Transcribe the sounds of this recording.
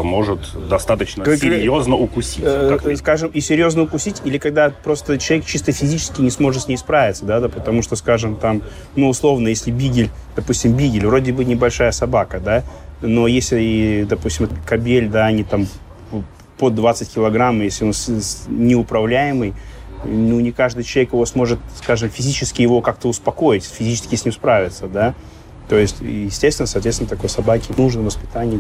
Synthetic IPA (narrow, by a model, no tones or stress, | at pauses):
mo̞ʐɨt̪d̪ɐst̪at̪ət͡ɕnəsɪɾʲjoznəʊkʊsʲik̪skaʐɨmisʲɪɾʲjo̞znəʊkʊsʲitʲilʲɪkɐɡ̚d̪apɾo̞st̪ət͡ɕɪlˠɐvʲekt͡ɕist̪əfʲɪzʲit͡ɕɪ̥skʲɪnʲɪsmo̞ʐɨt̪sʲnʲejspɾavʲɪt̪səd̪ad̪pət̪ɐmuʂt̪oskaʐɨmt̪am | nuːslˠo̞vnəjesʲlʲɪbʲiɡʲɪlʲ | d̪̥ɐpusʲtʲɪmbʲiɡʲɪlʲvrodʲɪbɨnʲɪbɐlʲʂajəsɐbakəd̪ano̞jesʲɪd̪ɐpusʲtʲɪmkɐbʲelʲd̪aɐnʲit̪am | pod̪ːvat̪sɨtʲkʲɪlˠɐɡɾamːjesʲlʲɪo̞nsnʲɪʊpɾɐvlʲæjɪmɨj | nunʲɪkaʐd̪ɨjt͡ɕɪlˠɐvʲekjɪvo̞smo̞ʐɨt̪skaʐɨmfʲɪzʲit͡ɕɪskʲɪjɪvo̞kak̚t̪əʊspɐko̞jɪtʲfʲɪzʲit͡ɕɪ̥skʲɪsʲnʲimspɾavʲɪt̪səd̪a | t̪o̞jɪsʲtʲjɪsʲtʲest̪ʲɪnəsɐt̪vʲeɪnət̪ɐko̞jsɐbakʲɪnuʐnəvəspʲɪ̥t̪anʲɪj